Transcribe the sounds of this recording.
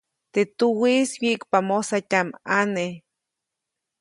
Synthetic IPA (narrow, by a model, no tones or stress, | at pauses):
t̪et̪uwiswiʔkpamosatʲamane